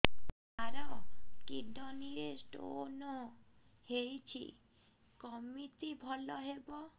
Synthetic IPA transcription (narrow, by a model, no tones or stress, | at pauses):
aɾɔkiɖɔniɾesʈo̰no | hejt͡ɕʰḭ | kɔmit̪ibʱɔlɔɦebo